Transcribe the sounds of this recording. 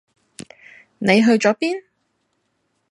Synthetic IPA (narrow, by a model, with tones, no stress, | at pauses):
ne˨˧jɦɵ˧ɥt͡ʃɔː˨˥piː˥n